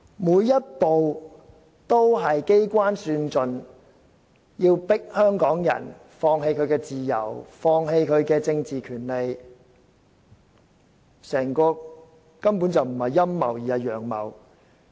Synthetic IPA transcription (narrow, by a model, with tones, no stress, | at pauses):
muː˨˧jːɐ˥t̚po˨w | t̪o˥wɦɐ˨jke˥jkʷaː˥nsyː˧nt͡sɵ˨n | jiː˧wpɪ˥k̚hœː˥ŋkɔː˨˥ŋjɐ̰˨˩n | fɔː˧ŋɦe˧jkʰɵ˨˧ɥkɛː˧t͡siː˨jɐ̰˨˩wfɔː˧ŋɦe˧jkʰɵ˨˧ɥkɛː˧t͡sɪ˧ŋt͡siː˨kʰyː˨˩nle˨˧j | sɛː˨˩ŋkɔː˧ | kɐ˥mpu˨˥nt͡sɐ˨wm̩˨˩hɐ˨jːɐ˥mːɐ̰˨˩wjiː˨hɐ˨˩jœː˨˩ŋmɐ̰˨˩w